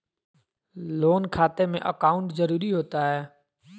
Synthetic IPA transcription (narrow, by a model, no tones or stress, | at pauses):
loːnkʰaːt̪emḛ̃ʔəkaːʊɳʈzəɾuːɾiɦoːt̪aɦɛː